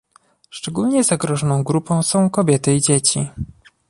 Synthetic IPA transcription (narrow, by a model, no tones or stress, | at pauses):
ʂt͡ʂɛɡulɲɛzaɡɾɔʐɔnɔ̃w̃ɡɾupɔ̃w̃sɔ̃w̃kɔbʲjɛt̪ɘid͡ʑet͡ɕi